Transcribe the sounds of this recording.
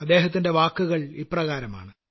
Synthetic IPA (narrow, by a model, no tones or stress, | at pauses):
ɐd̪ːe̞ːɦɐt̪̬ːinde̞ʋaːkːuɣɐɭiprɐɣaːɾɐma̰ːɳɨ